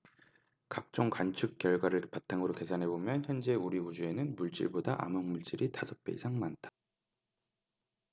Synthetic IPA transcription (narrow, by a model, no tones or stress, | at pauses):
kak̚t͡ɕ͈oŋkant͡ɕʰuk̚k͈jʌɭɡwaɾɯɭpatʰaŋɯɾoke̞sʰanɦe̞bomjʌnçjʌnd͡ʑe̞uɾiud͡ʑue̞nɯnmuɭt͡ɕ͈ḭɭbodaʔa̰mɯŋmuɭt͡ɕ͈iɾitasʰʌpʰe̞̰isʰaŋmantʰḁ